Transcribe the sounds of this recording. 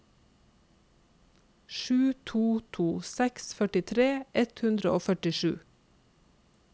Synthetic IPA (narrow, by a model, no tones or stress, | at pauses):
ʃʉːt̪ʰuːt̪ʰuːsɛksfœʈɪt̪ʰɾeːʔɛt̪hʉnd̪ɾəʔoːfœʈɪʃʉ̰ː